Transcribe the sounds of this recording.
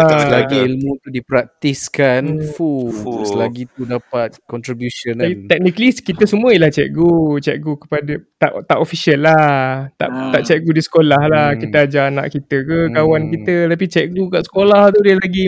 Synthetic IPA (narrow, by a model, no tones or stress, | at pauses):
aslaɡiilmũt̪udipɾak̚t̪iskanfuusəlaɡit̪udapat̪̚kɔnt̪ɾibjusonat̪ɛk̚nikəliskit̪əsəmũəelaht͡ʃɛ̰ʔɡut͡ʃɛʔ̚ɡukə̥padət̪aʔt̪aʔofisiəlːaht̪a̰ʔt̪aʔt͡ʃɛʔ̚ɡudisə̥kolahlahkit̪əad͡ʒaːna̰ʔkit̪əkəkawankit̪ət̪ap̬it͡ʃɛʔɡukaʔsə̥kolaht̪udiəlaɡi